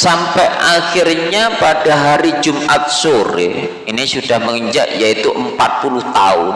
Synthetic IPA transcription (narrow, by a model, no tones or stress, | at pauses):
sampɛʔaxirɲapad̥aɦaɾid͡ʒumʔat̪̚soɾḛ | inisud̥ahməŋəɲd͡ʒa̰ʔjait̪uʔəmpat̪̚puluht̪aʊn